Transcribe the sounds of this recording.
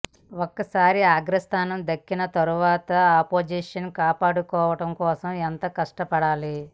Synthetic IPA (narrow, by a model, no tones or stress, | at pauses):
okːɐsaːɾiaːɡɾɐst̪ʰaːnɐmd̪ɐkːinɐt̪ɐɾuʋaːt̪ɐːpoːd͡ʒiːʂɐnkaːpaːɽukɔːʋɐʈɐmkɔːsɐment̪ɐkɐʂʈɐpɐɽaːli